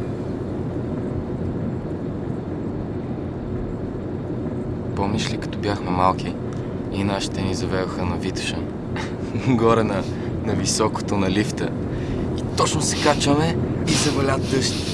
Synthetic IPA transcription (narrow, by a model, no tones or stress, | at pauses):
pomislikɐ̥t̪ɔbjaxmɛmalˠki | inaʃi̥t̪ɛnizɐvɛd̪oxənɐvit̪ʃə | ɡɔɾɛnɐ | nɐvisɔko̥t̪onɐlift̪ə̰ | it̪ɔt͡ʃnosɛ̥kat͡ʃəmɛizɐvɐlʲat̪ːɤʃt̪i̥